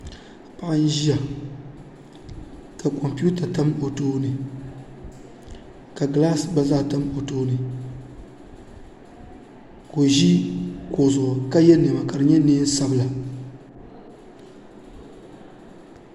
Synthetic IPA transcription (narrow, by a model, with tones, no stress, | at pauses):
pa˨ʔa˦n̩˦ʒi˦ja˨ | ka˨kɔ˨mpu˦ta˨ta˦mo˨toː˦nɨ˨ | ka˨ɡlaː˦sba˦za˦˨ta˦mpo˨toː˦nɨ˨ | ko˨ʒi˦ko˨zʊ˨ʔʊ˨ka˦jɛ˦nɨ˨ma˨ka˨ɾɨ˨ɲɛ˦neː˦n̩˦sa˦bɨ˨la˨